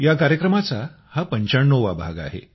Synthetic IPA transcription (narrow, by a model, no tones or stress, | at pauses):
jakaɾjəkɾəmat͡sa | hapəɲt͡ɕaɳːoʋa̰bʱa̰ɡa̰ɦḛ